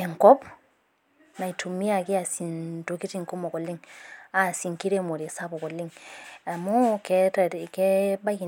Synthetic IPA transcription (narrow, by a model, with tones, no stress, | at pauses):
e˨ŋkɔ˦p | na˨i˨tʰu˨mi˦a˦˨ki˦a˨si˨nto˨ki˦ti˦˨ŋko˦mo˨kɔ˨lːi˦ŋa˨si˨ŋki˦ɾe˦mo˨ɾe˨sa˦bo˨kɔ˨lːi˦ŋa˨mo˦ke˦tke˦ba˦ki˨